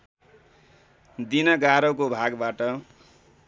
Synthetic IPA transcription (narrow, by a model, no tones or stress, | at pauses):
d̪inʌɡaɾʌkobʱaɡbaʈʌ